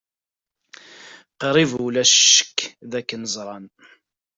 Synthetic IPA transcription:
qəɾˤivulæʃə̥kːðækːənəzˤɾˤɑn

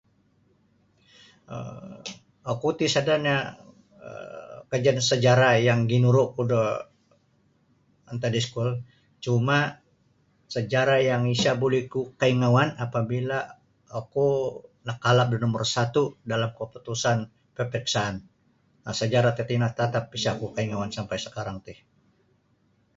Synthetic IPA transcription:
ə̰ | akut̪isadarɲa | ə̰kəd͡ʒansəd͡ʒaɾajaŋɡinuɾʊkudə | ant̪adiskul | t͡ʃuma | səd͡ʒaɾajaŋisabolikukaiŋawanapabilaː | kunakalap̚dinɔmərsat̪udalamkəput̪usan | pəpiksaːn | asəd͡ʒaɾat̪et̪inat̪at̪apisakukaiŋawansampajsə̥kaɾaŋt̪ɪh

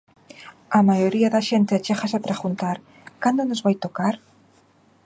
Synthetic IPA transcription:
amajoɾiaðaʃent̪eat͡ʃeχasapɾeɣunt̪aɾ | kand̪onozβajt̪okaɾ

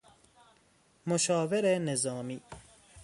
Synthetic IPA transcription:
moʃɒːveɾenezɒːmiː

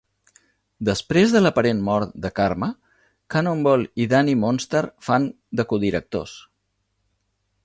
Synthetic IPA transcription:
d̪əspɾezðələpəɾenmɔɾt̪d̪əkaɾmə | kanombɔliðanimonst̪əɾfan | d̪əkuðiɾək̚t̪o̰s

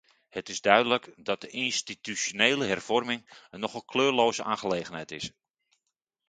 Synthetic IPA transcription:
hətɪzdœɥdələkdɔt̚d̥əʔinstitysoneːləɦɛrv̥ɔrmɪŋənɔχəkʰløːrloːzəʔaːχəleːɣənɦɛjtɪs

